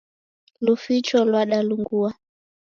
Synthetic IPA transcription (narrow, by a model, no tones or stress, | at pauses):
lufit͡ʃɔlwaɗaluŋɡua